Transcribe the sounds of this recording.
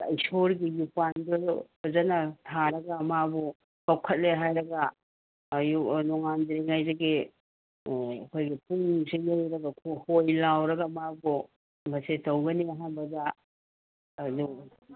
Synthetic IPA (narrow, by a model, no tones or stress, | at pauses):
ɐjsoɾɡijupando | zanɐtʰaɾɐɡamabɔ | kawkʰɐt̚leɦajɾɐɡa | junɔŋandɾiŋajzeɡi | ɐkʰojɡipuŋsejejɾɐɡakʰohojlawɾɐɡamabɔ | bɐsetɐwɡɐniɐɦanbɐza | du